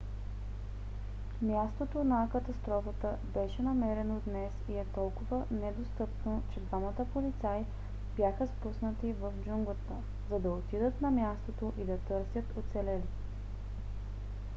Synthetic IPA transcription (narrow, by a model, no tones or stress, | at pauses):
mʲjast̪ot̪onɐkɐt̪ɐst̪ɾɔfət̪əbɛʃɛnɐmɛɾɛnod̪nɛsiɛt̪ɔlˠkʊvənɛd̪ost̪ɤpnot͡ʃɛd̪vamət̪əpolit̪saj | b̥jaxəspusnət̪ivəfd͡ʒuŋɡlˠət̪ə | zɐd̪ɐot̪id̪ət̪nɐmʲjast̪ot̪oʔid̪ɐt̪ɤɾsʲjət̪ot̪sɛlɛli